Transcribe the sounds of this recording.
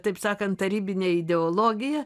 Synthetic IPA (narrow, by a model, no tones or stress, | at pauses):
t̪ɐɪpsɑːkɐnt̪̚tɐɾʲiːbʲɪnʲeːɪd̪ʲɛoːlˠoːɡʲɪjɛ